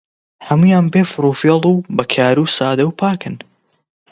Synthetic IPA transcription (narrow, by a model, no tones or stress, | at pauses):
hɐmujaːnbefɾuːfelˠuːbɐkʰaːɾuːsaːd̪ɐwpʰaːkɨn